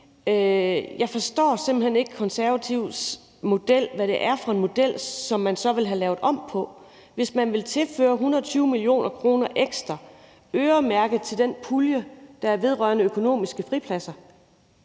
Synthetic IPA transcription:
jɑ̈ɪfɒ̽sd̥ɒ̰ːse̝mb̥̩hene̝ɡ̥əkʰɒ̽nsæɐʋæt͡sʰiʊ̰s | mo̝d̥el̰ʋæɾ̥e̝ʔæɐfʁɑ̈e̝nmo̝d̥el̰sɒ̽mːænsɒ̽ʋe̝lɦælɛːʊð̩ˠɒ̽m̰pʰɒ̽ | ʋe̝smænʋe̝lt͡sʰe̝lfø̰ːɐɦunɐt͡sʰyːʊəmilio̝̰ːnʔɐkʰʁo̝ːnɐʔeɡ̥sd̥ʁɐ | øːɐmæɐɡ̥ð̩ˠt͡sʰe̝ld̥enpʰuljəd̥ɑ̈æɐʋe̝ð̞ˠʁɶɐnəøkʰo̝no̝̰ːmisɡ̥əfʁipʰlæsɐ

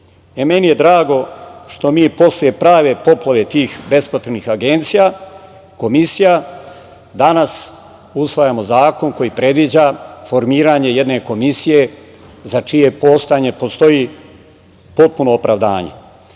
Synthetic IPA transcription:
eme̞nije̞d̪ɾaːɡoʃt̪o̞miːpo̞slje̞pɾaːʋe̞po̞plˠaʋe̞t̪iːxbe̞spot̪ɾenixaɡe̞nt̪sija | ko̞misija | d̪anas | usʋajamo̞zaːko̞nko̞jipɾe̞d̪ʋid͡ʑafo̞ɾmiːɾaɲe̞je̞d̪ne̞ko̞misije̞ | zat͡ʂije̞po̞ːst̪aɲe̞po̞st̪o̞i | po̞t̪̚puno̞ːpɾaʋd̪a̰ːɲe̞̰

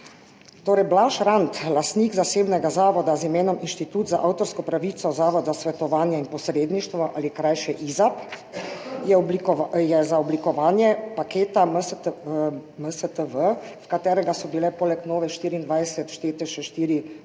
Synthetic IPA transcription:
t̪oːɾɛjblaʃɾant̪last̪niːɡzaseːbnɛɡazaːʋɔd̪azimeːnɔminʃt̪it̪uːt̪zaʔawt̪ɔɾskɔpɾaʋiːt̪sɔzaːʋɔd̪zasʋɛt̪ɔʋaːnjɛinpɔsɾeːd̪niʃt̪ʋɔʔalikɾajʃɛʔizap | jɛjɛzaɔblikɔʋaːnjɛpakeːt̪am | məsət̪əʋəskat̪ɛːɾɛɡasɔbilɛpoːlɛknɔːʋɛʃt̪iːɾiːnd̪ʋajsɛt̪ʃt̪eːt̪ɛʃɛʃt̪iːɾi

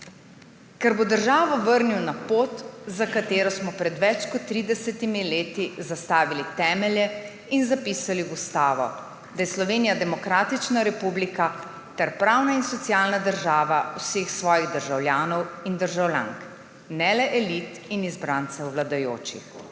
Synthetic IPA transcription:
kɛɾbod̪əɾʒaːʋɔʋəɾniwnapoːt̪zakat̪eːɾɔsmɔpɾɛd̪ʋɛt͡ʃkɔt̪ːɾid̪ɛsɛt̪imileːt̪izast̪aːʋilit̪ɛːmɛljɛ | inzapiːsaliust̪aːʋɔ̰ | d̪ajɛslɔʋeːnijad̪ɛmɔkɾaːt̪it͡ʃnaɾɛpublika | t̪ɛɾpɾaːwnainsɔt̪sijaːlnad̪əɾʒaːʋawseːxsʋɔːjiɣd̪əɾʒawljaːnɔwind̪əɾʒawlja̰ŋk | nɛlɛʔɛlit̪inizbɾant̪sɛwːlad̪ajo̰ːt͡ʃḭx

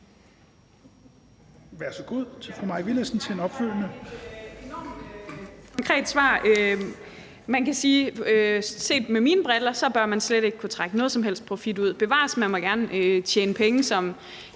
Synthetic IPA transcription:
ʋæɐsɒɡ̥o̝ð̰ˠt͡sʰe̝fʁumɑ̈ʋiləsn̩t͡sʰe̝nɒ̽b̥føl̰nə | kʰɒ̽ŋkʰʁɛ̰ːd̥sʋɑ̰̈ːø | mænkæsiːøse̝̰ːd̥memiːnəb̥ʁɛlɐsɒ̽b̥ɶɐmænsleɾe̝ɡ̥kʰut͡sʰʁaɡ̥ənɔ̽ːðˠsɒ̽mɦel̰sd̥̚pʰʁo̝fid̥uð̞̰ˠb̥e̝ʋɑ̰̈ːsmænmɒ̽ɡ̥æɐnəøt͡ɕʰjeːnəpʰeŋəsɒ̽m

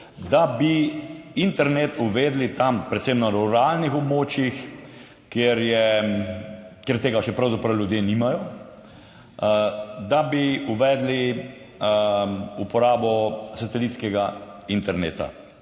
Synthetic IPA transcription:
d̪abiint̪ɛɾnet̪uʋeːd̪lit̪ampɾɛt̪semnaɾuɾaːlnixɔbmoːt͡ʃjix | kjeɾjɛ | kjeɾt̪eːɡaʃɛpɾawzapɾɐwljud̪jeːniːmajɔ | d̪abiuʋɛːd̪li | upɔɾaːbɔsat̪ɛliːt̪skɛɡaint̪ɛɾnḛːt̪a̰

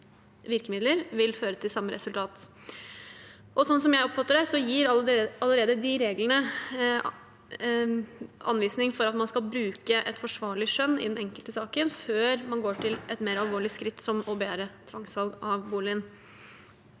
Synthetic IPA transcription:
ʋɪɾkəmɪd̪ləɾʋɪlføːɾət̪ʰɪlsɑmːəɾɛ̰sʉlt̪ʰɑːt̪ | ʔɔsɔnsɔmjæɪɔpfɑt̪ːəɖɛsɔjiːɾɑləɾeːd̪əd̪ɪɾeːɡlənə | ɑ̰nʋiːsnɪŋfɔɾɑt̪mɑnskɑlbɾʉːkəʔɛt̪fɔʂʋɑːɭɪʂœnːɪ̰d̪ɛnɛŋkəlt̪əsɑːkənføːɾmɑnɡoːʈʰɪlɛt̪meːɾɑlʋoːɭɪskɾɪt̪ːsɔmɔbeːɾət̪ʰɾɑŋsʋɑlɡɑʋbuːlɪən

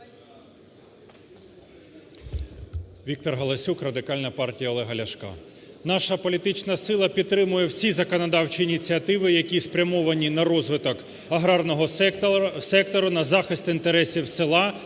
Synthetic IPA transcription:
ʋʲik̚t̪ɔrɦɐlˠɐsʲukrɐd̪ɪkɑlʲnɐpɑrtʲijɐɔlˠɛɦɐlʲɐʃkɑ̰nɑʃɐpɔlʲit̪ɪt͡ʃnɐsɪlˠɐpʲid̪̚t̪ːɾɪmʊjɛwsʲizɐkɔnɐd̪ɑwt͡ʃiːnʲit͡sʲiɐt̪ɪʋɪjɐkʲispɾʲɐmɔʋɐnʲinɐrɔzʋɪt̪ɔk | ɐɦɾɑrnɔɦɔ | sɛk̚t̪ɔɾʊnɐzɑxɪst̪ɪnt̪eɾɛsʲiwsɪlˠɑ

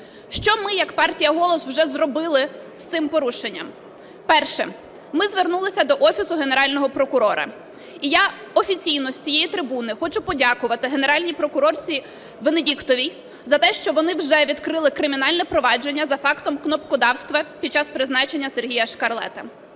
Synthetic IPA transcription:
ʃt͡ʃɔmɪjɐkpɑrtʲijɐɦɔlˠɔswʒɛzrɔbɪlˠɪ | st̪sɪmpɔɾuʃenʲːɐ̰m | pɛrʃɛ̰ | mɪzʋernulˠɪsʲɐd̪ɔʔɔfʲisʊɦeneɾɑlʲnɔɦɔpɾɔkʊɾɔɾɐ̰ | ija | ɔfʲit͡sʲijnɔsʲt͡sʲijɛjit̪ɾɪbunɪxɔt͡ʃʊpɔdʲakʊʋɐt̪ɪɦeneɾɑlʲnʲipɾɔkʊɾɔrt͡sʲi | ʋenedʲikt̪ɔʋʲij | zɐt̪ɛʃt͡ʃɔʋɔnɪwʒɛʋʲid̪kɾɪlˠɪkɾɪmʲinɑlʲnɛpɾɔʋɑd͡ʒe̞nʲːɐzɐfɑkt̪ɔmknɔpkʊd̪ɑwst̪ʋɐpʲid̪t͡ʃɑspɾɪznɑt͡ʃenʲːɐserɦʲijɐʃkɐrlˠɛ̰t̪ɐ

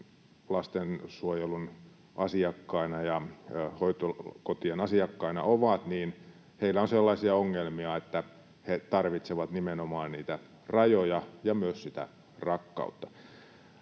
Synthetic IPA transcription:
lɑst̪ensuojelun | ʔɑsiɑkːɑinɑjɑhoit̪okot̪ienɑsiɑkːɑinɑ̰ʔoʋɑt̪niːn | heilːæonselːɑisiɑoŋːelmiɑet̪ːæ | het̪ɑrʋit̪seʋɑt̪nimenomɑːnniːt̪æ | rɑjojɑjɑmyøssit̪æ̰ | rɑkːɑ̰ut̪ːɑ

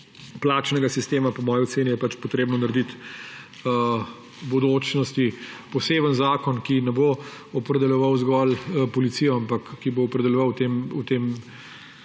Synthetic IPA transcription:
plat͡ʃnɛɡasist̪eːmapɔmɔːjioseːnijɛpat͡ʃpɔt̪ɾeːbnɔnaɾɛd̪it̪ | ə | bod̪oːt͡ʃnɔst̪ipɔseːbənzaːkɔnkinɛbo | ɔpɾɛd̪ɛlʲjɔʋawzɡɔlpɔlit̪sijɔampɐkːiboɔpɾɛd̪ɛlʲjɛʋawt̪emut̪em

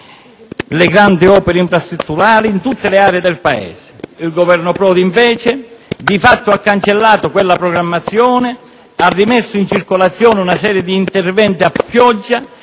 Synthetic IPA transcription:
lɪɡɾand̪iɔːpeɾeiɱfɾast̪ɾut̪ːuɾaːliːnt̪ut̪ːɪleaːɾeed̪ɛlpaɛ̰ːse̥ilɡovɛrnʊpɾɔːd̪iɱvɛːt͡ʃɪd̪ifat̪ːʊakːant͡ʃelːaːt̪ʊkwelːapɾoɡɾamːat̪sːjɔːnɪ | arːimɛsːʊint͡ʃirkolat̪sːjɔːnɪunasɛːɾjed̪iːnt̪ervɛnt̪iapːjɔd͡ʒːa

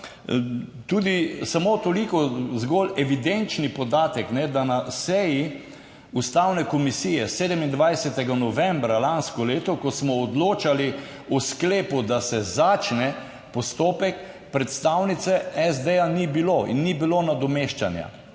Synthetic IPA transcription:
t̪uːd̪isamot̪olikɔzɡɔlɛʋid̪ent͡ʃnipɔd̪aːt̪ɛknɛd̪anasɛji | ust̪awnɛkɔmisiːjɛseːd̪ɛmind̪ʋajsɛt̪ɛɡanɔʋɛ̃mbɾalanskɔleːt̪ɔkɔsmɔːd̪loːt͡ʃali | ɔskleːpud̪asɛzaːt͡ʃnɛ | pɔst̪oːpɛk | pɾɛt̪st̪awnit̪sɛɛzd̪ejanibiloḭnːibilonad̪ɔmeʃt͡ʃanja̰

